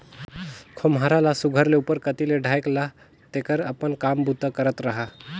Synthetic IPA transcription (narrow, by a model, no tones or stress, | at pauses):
kʰomɦaɾalasuɡʱəɾleupəɾkət̪ileɖʱajkla | t̪ekəɾəpənkambud̪ʱːəkəɾət̪ɾəɦa